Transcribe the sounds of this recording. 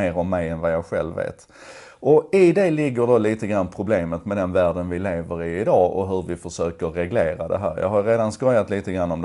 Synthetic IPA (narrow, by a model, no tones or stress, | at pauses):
eːɾɔmːɛjɛnvajɑːɡɧɛ̰lvḛːt̪ | ɔɪd̪ɛlɪɡːəɖoliːt̪əɡɾanːpʰɾʊbleːmət̪mɛd̪ɛnvæːɖənvɪleːvəɾɪɪd̪ɑːɔ̰ɦɵɾvɪfœʂøːkəːɛɡleːɾad̪ɛ̰ɦæ̰ːɾjɑ̰ːɡɦajɾeːd̪anskɔjat̪liːt̪əɡɾanːɔmd̪